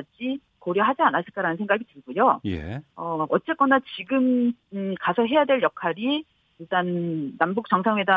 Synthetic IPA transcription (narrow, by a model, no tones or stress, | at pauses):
d͡ʑi | koɾjʌɦad͡ʑianas͈ʰɯɭk͈aɾanɯnsʰŋɡaɡitɯɭɡujojḛʌʌt͡ɕ͈e̞k͈ʌnat͡ɕiɡɯmkasʰʌɦe̞jadwe̞ɭjʌkʰaɾi | iɭt͈anːambuk̚t͡ɕ͈ʌŋsʰaŋwe̞da